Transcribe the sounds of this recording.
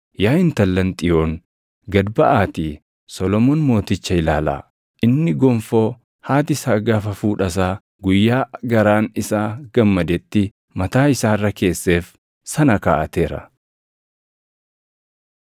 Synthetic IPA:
jaːjɪnt̪ɐlːɐnt̪ʼɪjo̞ːŋ | ɡɐd̪bɐʔaːt̪iː | sɔlɔmoːnmo̞ːt̪ɪt͡ʃːɐɪlaːla̰ː | ʔɪnːɪɡɔɱfo̞ː | haːt̪̬ɪsaːɡaːfɐfuːᶑɐs̬aː | ɡʊjːaːɡɐɾaːnɪsaːɡ̥ɐmːɐd̪ɛt̪ːɪ | mɐt̪aːɪsaːrːɐke̞ːsːe̞ːf | sɐnɐkaːʔɐt̪e̞ːɾɐ̰

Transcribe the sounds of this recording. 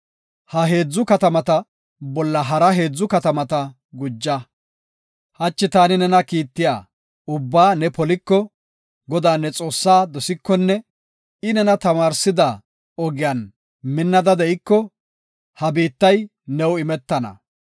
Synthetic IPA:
hɐɦe̞ːd͡zːʊkɐt̪ɐmɐt̪ɐ | bɔlːɐɦɐɾɐɦe̞ːd͡zːʊkɐt̪ɐmɐt̪ɐ | ɡʊd͡ʒːɐ | hɐt͡ʃːɪt̪aːnɪnɛnɐkiːt̪ːɪja̰ː | ʊbːaːnɛpɔlɪkːɔ | ɡɔd̪aːnːɛt͡sʼo̞ːsːaːd̪ɔsɪkːɔnːɛ | ɪnɛnɐt̪ɐmaːɾsɪd̪ɐ | ɔɡɪjaːn | mɪnːɐd̪ɐd̪ɛɪkːɔ | hɐbiːt̪ːɐj | nɛwɪmɛt̪ːɐnɐ̰

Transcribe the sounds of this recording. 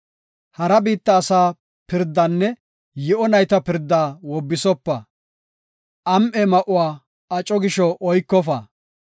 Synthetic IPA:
hɐɾɐbiːt̪ːɐːsaː | pɪɾd̪ːɐnːɛ | jɪʔɔnɐjt̪ɐpɪɾd̪ːaːwɔbːɪsɔpːɐ | ʔɐmʔɛmɐʔʊwaː | ɐt͡ʃʼːɔɡɪʃɔʔɔjkːɔfɐ̰

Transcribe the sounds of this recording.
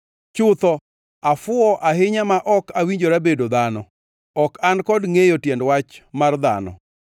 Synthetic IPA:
t͡ʃʊt̪ɔ | afʊɔʔaɦɪɲamaʔɔkawiɲd͡ʒoɾabedod̪anɔ | ɔkankɔdŋejotjɛndwat͡ʃmard̪a̰nɔ̰

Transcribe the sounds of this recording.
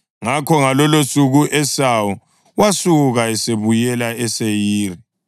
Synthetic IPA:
ŋakʰɔŋalɔlosuɣuʔɛsawɔ | wasuɣaɛseβujɛlaɛsejiːri

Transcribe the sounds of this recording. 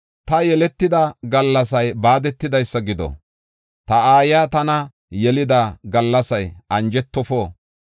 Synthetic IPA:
t̪ɐjɛlɛt̪ːɪd̪ɐɡɐlːɐsɐjbaːd̪ɛt̪ːɪd̪ɐjsːɐɡɪd̪ɔ̰ | t̪ɐaːjaːt̪ɐnɐ | jɛlɪd̪aɡɐlːɐsɐjʔɐnd͡ʒɛt̪ːɔfoː

